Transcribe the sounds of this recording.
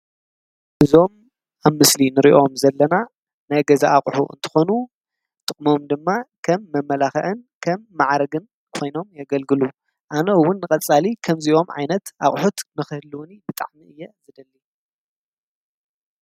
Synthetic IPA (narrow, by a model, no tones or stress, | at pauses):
ʔɨzo̞m | aβmɨslinɨɾiʔo̞mzɐlːɐna | najɡɐzaʔaχʼħuʔɨ̰nt̪ʰɨ̥xo̞nu | t̪ʼɨχʼmo̞md̪ɨmːakʰɐmːɐmːɐlaxɐ̰ʔɨnkʰɐmːaʕɾɐɡɨn | kʰo̞jno̞mjaɡɐlɡɨlu | ʔanɐwːʊnːɨkʼɐt͡sʼːalikʰɐmziʔo̞mʕa̰jnɐt̪ʔaχʼħut̪nɨxɨhɨlɨwnibɨt̪ʼa̰ʕmiʔɨjːɛzɨd̪ɐlːi